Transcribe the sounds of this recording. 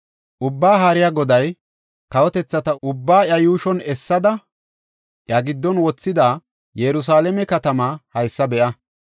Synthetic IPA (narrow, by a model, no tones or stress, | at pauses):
ʔʊbːaːɦɐɾɪjaɡɔd̪ɐj | kɐwɔt̪ɛt͡sːɐt̪ɐʔʊbːaːɐjuːʃɔnɛsːɐd̪ɐ | ʔjɐɡɪd̪ːɔnwɔt͡sːɪd̪aː | jɛɾʊs̬aːlɛmɛkɐt̪ɐmaːhɐjsːɐbɛʔɐ